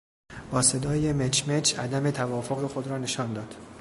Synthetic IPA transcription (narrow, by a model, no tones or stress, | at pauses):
b̥ɒːse̞d̪ɒːje̞met͡ʃʰmet͡ʃʰæ̰d̪æmet̪ʰævɒːfoɣe̞xo̞d̪ɾɒːne̞ʃɒːnd̪ɒːd̪̥